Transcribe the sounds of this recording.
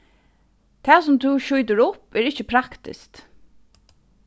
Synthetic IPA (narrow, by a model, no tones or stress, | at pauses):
t̪ʰɛːsʊmt̪ʰuʃujt̪̬əɹʊpɛːɹɪt͡ʃːəpʰɾakt̪ɪ̰st̪